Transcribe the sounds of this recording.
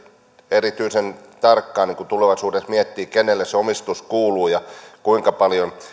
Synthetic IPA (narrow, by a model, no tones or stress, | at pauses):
erit̪yisent̪ɑrkːɑːniŋkut̪uleʋɑsuːdesmiɛt̪ːiːkenelːesseomist̪uskuːluːjɑkuiŋkɑpɑljon